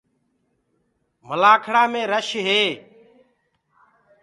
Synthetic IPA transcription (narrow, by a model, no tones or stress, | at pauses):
məlaːkʰɽaːmẽːɾəʃɦeː